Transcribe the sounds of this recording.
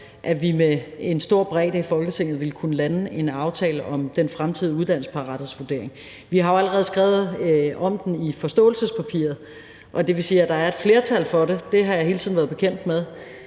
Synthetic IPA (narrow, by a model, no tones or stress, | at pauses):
ʔæʋimee̝nsd̥o̝ɐ̰b̥ʁɛ̰ːd̥əifɒ̽lɡ̥ət͡sʰe̝ŋ̰ð̞̩ˠʋe̝lkʰunəlæne̝nɑ̈ʊt͡sʰɛ̰ːləʔɒ̽md̥enfʁamt͡sʰiðˠuð̞ˠd̥æn̰̩spʰɑ̈ʁɑ̈d̥ð̩sʋud̥e̝̰ɐ̰eŋ | ʋiɦɑ̈joæləʁɛð̞̩ˠsɡ̥ʁɛːʊð̩ˠɒ̽md̥n̩ifɒ̽sd̥ɔ̰̽ːl̩səspʰæpʰḭɐð̞̩ˠ | ʔɒ̽d̥e̝ʋe̝siːæd̥ɑ̈æɐe̝d̥fle̝ːɐt͡sʰæl̰fɒ̽ɾe̝d̥e̝ɦɑ̈jɑ̈ɦe̝ːlt͡sʰiðˠn̩ʋæːɐðˠb̥e̝kʰen̰d̥með̞ˠ